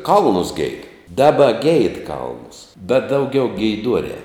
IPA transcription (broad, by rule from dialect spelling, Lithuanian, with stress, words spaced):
ˈkɐlˠnʊs ɡʲɛɪt ˈdɑːbɐ ɡʲɛɪt ˈkɐlˠnʊs bʲɛt dɐʊˈɡʲɛʊ ɡʲɛɪˈduɔrʲɛː